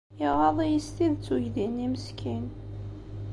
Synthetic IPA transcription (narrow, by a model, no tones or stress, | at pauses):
jiʁɑðˤijist̪iðt͡sːuʝðiniməskʰin